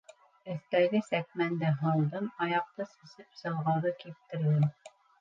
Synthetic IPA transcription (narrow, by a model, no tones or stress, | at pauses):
ɵ̆θt̪æɡɘsækmænd̪ɘɦɑlˠd̪ɤmɑjɑq̚t̪ɤsɘ̆sɘpsɤ̆lˠʁɑðɤkip̚t̪ɘ̆ɾðɘm